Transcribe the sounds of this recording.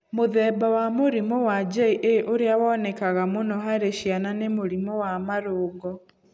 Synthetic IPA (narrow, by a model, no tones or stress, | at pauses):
moðɛːbawamoɾimɔwad͡ʒɛiʔeʔoɾeawɔnɛkaɣamonɔɦaɾeʃjananemoɾimɔwamaɾoːɡɔ